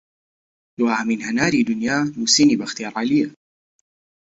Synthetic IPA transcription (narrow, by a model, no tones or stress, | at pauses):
luhaːminhanaːɾid̪ʊnjaːlusiːniːbaxt̪iaɾˤaːlija